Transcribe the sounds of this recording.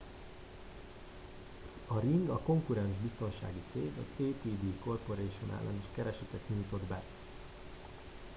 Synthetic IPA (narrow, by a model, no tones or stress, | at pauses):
ɒɾiŋɡɒko̞ŋkuɾɛnʒbist̪o̞nʃa̰ːɡit̪sḛːɡɒ̰zeːt̪iːd̪iːko̞rpo̞ɾeːʃunʔa̰ːlːʔɛ̰niʃkɛɾɛʃɛt̪ɛkɲujt̪o̞d̪bɛ